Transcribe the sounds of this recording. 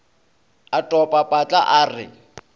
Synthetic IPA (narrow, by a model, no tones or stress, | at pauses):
atʼɔpʼapʼat͡ɬʼa̰ʔaːrɪ̰